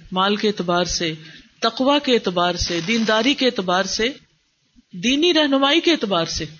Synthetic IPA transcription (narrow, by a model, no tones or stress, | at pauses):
maːlkeeːt̪ɪbaːɾset̪ɐqʋakeeːt̪ɪbaːɾsed̪iːnd̪aːɾikeeːt̪ɪbaːɾse | d̪iːniɾɛɦnʊmaːikeeːt̪ɪbaːɾse